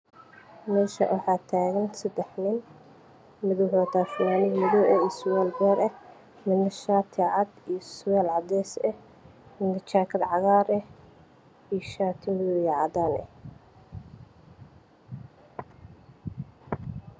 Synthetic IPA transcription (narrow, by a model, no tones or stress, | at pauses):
mɛːʃɐ̰wʔɑħɑːt̪ʰaːɣɐnsɐd̪ɛħnɪn | mɪðʊɦʊat̪ʰaːfɪnaːnɪmɪðɔʔɛiswɛːlbɛːɾɛ | mɪnɐʃaːt̪ʰɪʕɑd̪ijɔswɛːlʕɑd̪ɛːsɛ | mɪnɐt͡ʃʰaːkʰɐd̪ʕɑɣaːɾɛ | ijʃaːt̪ʰɪmɪðʊjʕɑd̪aːnɛ̰h